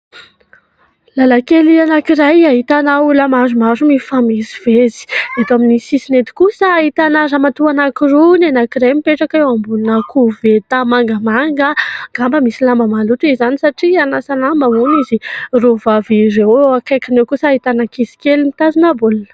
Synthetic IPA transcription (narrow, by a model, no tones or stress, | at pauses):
lalakelianakiɾajaɦit̪anauləmazumazumifamizi̥v̥ezi̥et̪aminisisinet̪i̥kusəaɦit̪anaɾamat̪uanakirunenakiɾajmipeʈ͡ʂakewambulunakuvet̪amaŋɡəmaŋɡəɡ̥ambəmisilambəmalut̪uezanisaʈ͡ʂianasalambəunizirovaviɾeakajkanewkusaɦit̪anakisi̥kelimit̪azinabulunə̥